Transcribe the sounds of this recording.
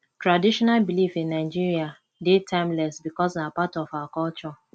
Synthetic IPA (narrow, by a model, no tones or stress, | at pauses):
tɹadiʃɔnalbilifĩnːaɪd͡ʒiɾia | detʰãɪ̃mlɛsbikɔsnapatɔfawakɔlt͡ʃɔ